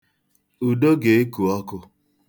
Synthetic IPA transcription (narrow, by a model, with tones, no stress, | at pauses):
u˨do˦ɡe˨e˦ku˨ɔ˦kʊ˦